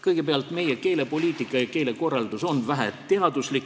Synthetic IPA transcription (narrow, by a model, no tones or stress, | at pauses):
kɤjɡepeɑlt̪me̞jeke̞ːle̞po̞lʲiːt̪ˑikːˑɑjɑke̞ːle̞ko̞rːɑld̪uso̞nvæɦɛt̪e̞ɑd̪̥uslik